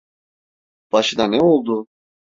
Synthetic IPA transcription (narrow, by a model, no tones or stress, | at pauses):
b̥aʃɯd̪anɛo̞lˠd̪ʊ